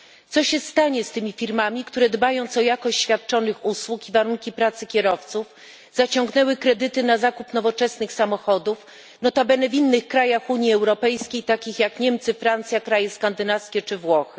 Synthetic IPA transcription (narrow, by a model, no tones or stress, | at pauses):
t̪sɔɕɛst̪aɲɛst̪ɘmʲifʲiɾmamʲikt̪uɾɛd̪bajɔ̃w̃t̪sɔjakɔɕt͡ɕɕfʲjat̪̚t͡ʂɔnɘxuswukivaɾuŋkʲipɾat̪sɘkʲɛɾɔft̪suf | z̥at͡ɕɔŋɡnɛwɘkɾɛd̪ɘt̪ɘnazakupnɔvɔt͡ʂɛsnɘxsamɔxɔd̪uf | nɔt̪abɛnɛvʲinːɘxkɾajaxuɲjiɛwɾɔpɛjskʲejt̪akʲixjakɲɛmt̪sɘfɾant̪sʲjakɾajɛskand̪ɘnafskʲɛt͡ʂɘvwɔxɘ̥